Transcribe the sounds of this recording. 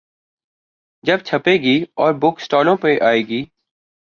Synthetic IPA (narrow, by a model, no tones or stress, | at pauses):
d͡ʒɐb̚t͡ʃʰɐpeːɡiːɔːɾbʊksʈɔːlõpeʔaːeːɡiː